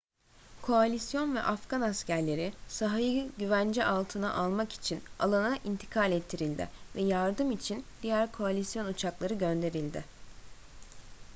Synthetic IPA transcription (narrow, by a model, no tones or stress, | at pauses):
kʰo̞alʲisjo̞nvɛ̰ʔafɡanascæɾlʲe̞ɾɪsaɦajɯɟyvænd͡ʒɛʔalˠt̪ʰɯna̰ʔalˠmaki̥t͡ʃʰina̰lˠanaʔint̪ʰi̥kʰalʲɛt̪ʰːiɾilʲd̪ɪ̰vɛjaɾd̪ɯmit͡ʃʰind̪̥ijæɾkʰo̞alʲisjo̞nut͡ʃʰaklˠaɾɯɟø̞nd̪e̞ɾilʲd̪ɪ̰